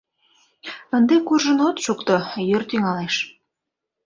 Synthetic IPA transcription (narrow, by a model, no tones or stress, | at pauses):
ənd̪ekurʒə̆not̪ʃukt̪ojørt̪yŋɑleʃ